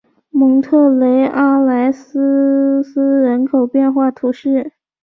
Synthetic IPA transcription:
mɤ˧˥ŋt̪ʰɤ˥˩le˧˥ɪʔa˥˩la˧˥ɪs̩˥s̩˥ɻə˧˥nkʰo˨˩ʊpjɛ˥˧nxwa˥˩t̪ʰu˧˥ʂɻ̩˥˩

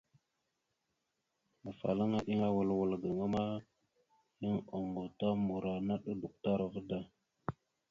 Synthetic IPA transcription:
mə˨fa̰˨la˦ŋa˦ʔi˦ŋa˦wə˨lwə˨lɡə˨ŋa˦ma˦ | i˦ŋo˨ŋɡo˨ta˦mu˨ɾa˨na˦ɗu˦du˨k̚ta˦ɾa˨və˦da˨

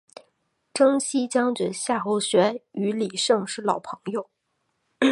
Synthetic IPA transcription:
ʈ͡ʂɤ˥ŋɕi˥t͡ɕjɑ˥ŋt͡ɕɥɛ˨˧˩ɕja˥˩xo˧˥ʊɕɥɛ˧˥y˧˥li˨˩ʂɤ˥˧ŋʂɻ̩˥˩lɑ˨˩ʊpʰɤ˧˥ŋjo˥˩ʊ

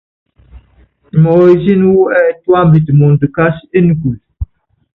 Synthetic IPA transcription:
mɔ˨ɾi˨zi˦n˦wu˦ɛ˨twa˦mbi˨tmɔ̃˨n˨də˨ka˦se˦nu˨ku˨l

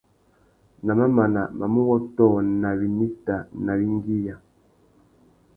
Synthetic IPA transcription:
na˨ma˦ma˨na˨ma˨mu˦ɣɔ˦tɔː˦˨na˨βi˨ni˦ta˨na˨βi˦ŋ˦ɡi˦ja˨

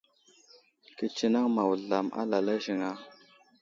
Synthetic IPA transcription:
ki˨t͡ʃi˦na˦ŋma˨wɮa˨ma̰˦la˨la˦ʒi˨ŋa˦

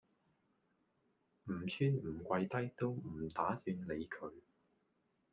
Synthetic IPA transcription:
m̩˨˩t͡sʰyː˥nm̩˨˩kʷɐ˧jt̪ɐ˥jt̪o˥wm̩˨˩t̪aː˨˥syː˧nle˨˧jkʰɵ˨˧ɥ

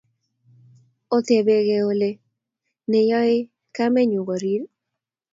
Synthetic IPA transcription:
o˦t̪e˨be˦ɣe˨o˨le˦ | nɛ˨jɔ˦ɪ˦ | ka˦mɛ˦ɲu˨ɡo˨ɾi˨˦ɾ

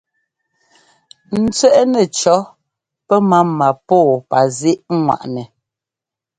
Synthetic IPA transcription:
n̩˦t͡sɛ˦ʔnɛ˨t͡ʃɔ˨˦ | pɛ˦ma˦ma˨pɔː˦˨pa˨zi˦ʔŋwa̰˨ʔnɛ˨

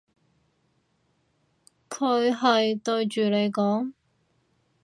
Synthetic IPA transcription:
kʰɵ˨˧ɥɦɐ˨jt̪ɵ˧ɥt͡ʃyː˨le˨˧jkɔː˨˥ŋ

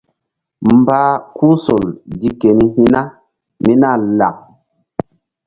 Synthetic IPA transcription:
m˨baː˦ku˦so˨ldi˦ke˨ni˦hi˦na˦ | mi˦na˦˨la̰˨ŋ̚

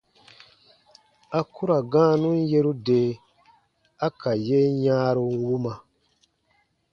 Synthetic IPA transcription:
a˦ku˦ɾa˨ɡãː˦nũ˦n˦je˦ɾu˦deː˨˦ | a˦ka˨je˦ɲãː˦ɾu˧nwu˦ma˨

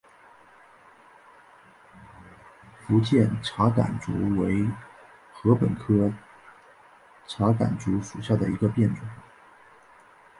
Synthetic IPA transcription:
fu˧˥t͡ɕjɛ˥˩nʈ͡ʂʰa˧˥ka̰˨˩nt͡sṵ˧˥we˧˥ɪ | xɤ˧˥pə˨˩nkʰɤ˥ | ʈ͡ʂʰa˧˥ka̰˨˩nt͡su˧˥ʂu˨˩ɕja˥˩d̪ə˩i˧˥ɡə˧pjɛ˥˩nʈ͡ʂwʊ˨˩˦ŋ

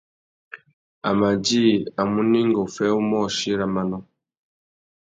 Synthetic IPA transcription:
a˨ma˨d͡ʒi˦a˨mu˦ni˦ŋɡɔ˨fɛ˦u˦mɔ˦˨ʃi˦ɾa˨ma˦nɔ˦

